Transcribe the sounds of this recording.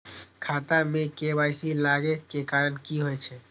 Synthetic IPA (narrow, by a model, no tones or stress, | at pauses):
kʰaːt̪amẽkebaːjsilaɡekekaːɾənkiɦojt͡ʃʰe